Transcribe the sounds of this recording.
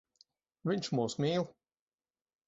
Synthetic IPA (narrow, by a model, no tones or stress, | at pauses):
vʲiɲt͡ʃmuːsmʲiːlˠ